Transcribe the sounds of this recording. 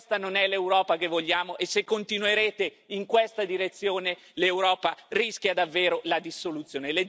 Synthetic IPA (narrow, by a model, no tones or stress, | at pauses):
st̪anonɛlewɾɔːpak̟evːoʎːaːmoʔesekːont̪inueɾeːt̪e | iŋkwest̪ad̪iɾet̪sːjoːne | lewɾɔːpariskʲjad̪avːeːɾolad̪isːolut̪sːjoːnele